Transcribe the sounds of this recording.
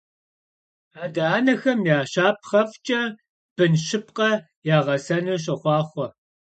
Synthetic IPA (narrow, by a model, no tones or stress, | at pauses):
aːdɐʔaːnɐxɐmjaːʃaːp̚χɐft͡ʃʼɐ | b̥ɨnʃɪpqɐ | jaːʁɐsɐnɨɕ̬ʼɐχʷɑːχʷɔ